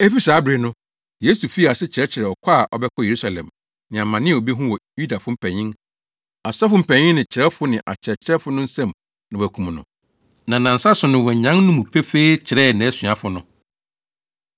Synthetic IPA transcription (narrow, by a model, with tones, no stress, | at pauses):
e˦fi˦saː˨˦bɾe˨nʊ̃˦ | jeː˦su˨fi˦˨a˨sɪ˦t͡ɕʰɪ˨ɾɛ˦t͡ɕʰɪ˨ɾɛ˨ɔ˨kʷʰa˦˨ʔɔ̰˨bɛ˦kʰɔ˦je˨ɾu˦sa˨lɛ̰̃˨m | nɪ̃˨a˨mã˨nɪ̃˦o˨bi˦ɦʊ̃˦wɔ˨ju˦da˨fʊ˦m̩˦pʰæ̃˨ɲɪ̃˦ŋ | a˨sa˦fʊ˦m̩˨pʰæ̃˨ɲɪ̃˦nnɪ̃˨t͡ɕʰɪ˨ɾɛ˦fʊ˦nɪ̃˨ʔa̰˨t͡ɕʰɪ˨ɾɛ˨t͡ɕʰɪ˦ɾɛ˦fʊ˦nʊ̃˦n̩˦sɛ̃˦˨m | nã˨wæ˨kʰũ˨mnʊ̃˨ | nã˨nã˨n̩˨sa˦sʊ˨nʊ̃˨wɔ˨ɲ˨ɲã˦nʊ̃˦mũ˨pʰɛ˦fe˦i˦t͡ɕʰɪ˨ɾɛ˦˨nɪ̃˨ɛ˦sɥa˨fʊ˦nʊ̃˦